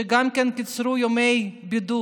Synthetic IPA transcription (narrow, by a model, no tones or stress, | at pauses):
iɡamkenkit͡sɾujomejbid̪u